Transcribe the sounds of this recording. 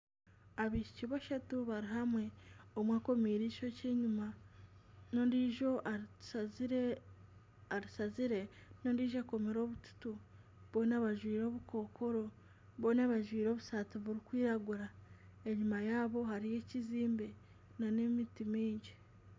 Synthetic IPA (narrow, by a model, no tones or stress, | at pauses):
aβiːʃi̥ciβaʃatuβaɾiɦamwe̞omwako̞miːɾiʃo̞ce̞ːɲuma | noiʒoʔ | aɾisaziɾe̞nondiːʒako̞meɾo̞ːβutu̥tu | βo̞ːnaβaʒwiːɾo̞ːβuko̞ːkʰo̞ɾo̞ | βo̞ːnaβaʒwiːɾo̞ːβusaːtiβuɾikwiːɾaɡuɾa | e̞ɲumajaːβo̞haɾije̞ciziːmbe | nanemitimiːɲɟi